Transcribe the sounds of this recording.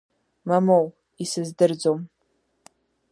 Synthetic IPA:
mamow | isɨzdɨrd͡zom

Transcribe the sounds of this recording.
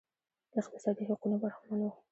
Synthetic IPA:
d̪̥əɪq̚t̪ɪsɑd̪iɦaqunobaɾahmɑnwu

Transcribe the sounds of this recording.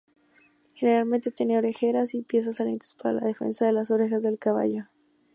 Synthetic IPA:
xe̞neɾalmẽnt̪e̞t̪jene̞o̞ɾe̞xe̞ɾasipje̞s̬asalḛnt̪ḁspaɾa̰la̰ð̞e̞fḛnsaðe̞laso̞ɾe̞xazðe̞lkaβ̞a̰ʝo

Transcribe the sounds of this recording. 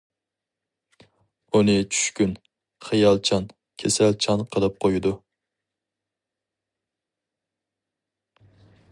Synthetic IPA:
unɨt͡ʃʰy̥ʃkʲyn | χɨjɑlˠt͡ʃʰɑn | kʲʰesælt͡ʃʰɑnqʰəlˠɨp̚qʰojɪd̪ʊ

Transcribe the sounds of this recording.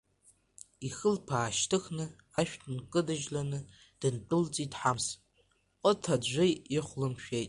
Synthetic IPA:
ixɨlpʰaːʃtʰɨxnɨ | aʃᶣtʰnkʼɨdɨʒlanɨ | d̥ɨntʼʊlt͡sʼitʼħams | qʼɔtʰad͡ʒʷɪjiχʷlɨmʃᶣejtʼ

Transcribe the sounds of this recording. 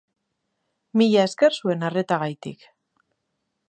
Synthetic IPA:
miʎae̞ske̞rsue̞nare̞t̪aɣ̞ajt̪ḭk

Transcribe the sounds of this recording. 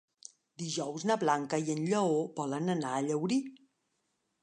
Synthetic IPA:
d̪iʒɔwznəβlaŋkəiənʎəobɔlənənaːʎəwɾi

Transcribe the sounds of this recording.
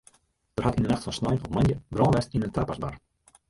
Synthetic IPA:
d̥ərɦatindənaχtfɔnsnɔjnɔpmanjəbrɔːnʋɛstinəntaːpasba̰r

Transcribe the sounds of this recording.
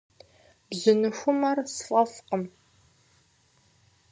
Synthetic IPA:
bzɨnɨxʷʊmɐrsfʼɐfqəm

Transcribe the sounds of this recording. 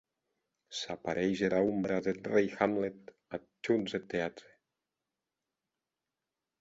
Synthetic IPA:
sapaɾʔejʒeɾaumbɾaðet̪rejxamlet̪ | a | t͡ʃunzet̪eat̪ɾe

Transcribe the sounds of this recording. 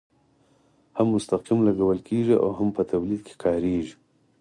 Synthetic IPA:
hamːʊst̪aqimlaɡawəlkʰeʐiʔa̰wɦampət̪awlid̪̚kʰe̥kʰɑɾeʒi̥

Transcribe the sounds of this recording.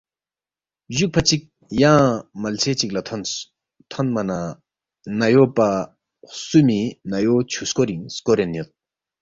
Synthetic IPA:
ʑuk̚pʰat͡ɕik̚ | jaŋmalt͡sʰet͡ɕik̚lan | t̪ʰanmana | najopa | hsuminajot͡ɕʰuskoɾiŋskoɾenjot̪̚

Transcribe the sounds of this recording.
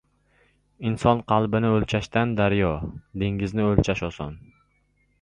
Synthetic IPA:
insɒnqʰɑlˠbɪnɪɵlt͡ʃʰaʃt̪and̪aɾjɒd̪eŋɡɪznɪɵlt͡ʃʰaʃɒsɒ̰n

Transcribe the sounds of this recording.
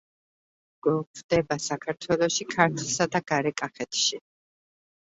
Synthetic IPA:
ɡ̥ɛkʰɾd̪ɛbasakʰaɾt̪ʰwɛlˠɔʃikʰaɾt̪ʰlˠsad̪aɡ̥aɾɛkʼaχɛt̪ʰʃi

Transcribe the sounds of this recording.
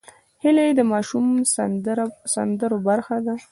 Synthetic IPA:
hɪlajed̪əmɑʃum | sand̪əɾobaɾxad̪a

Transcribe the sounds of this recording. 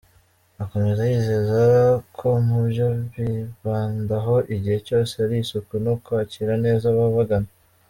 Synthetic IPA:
ako̞me̞zajiːze̞zakʰo̞mubjoβiβaːndaɦo̞ʔiɟihe̞co̞ːseaɾisukwenokwaːciɾane̞ːzaβaβaɡana

